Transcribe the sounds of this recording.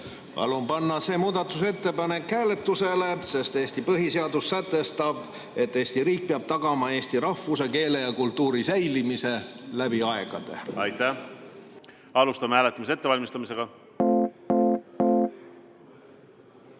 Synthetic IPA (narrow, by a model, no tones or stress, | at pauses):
pɑ̰lumpɑnːɑse̞ːmuːd̪ɑt̪ːˑuse̞t̪ːe̞pɑne̞khæːle̞t̪ːuse̞le̞se̞st̪eːst̪ipɤɦise̞ɑd̪̥usːæt̪ːˑe̞st̪ɑb̥ | e̞t̪ːe̞ːst̪iɾiːk̚peɑb̥̚t̪ɑɡ̥ɑmɑe̞ːst̪iɾɑfːus̬e̞ke̞ːle̞jɑkult̪ːuːɾisæjlimise̞læbiɑe̞ɡ̥ɑd̪̥e̞̰ɑjt̪ːæ | ɑlust̪ɑmehæːlet̪ːˑɑmiset̪ːeɑlʲmist̪ɑmise̞ɡ̥ɑ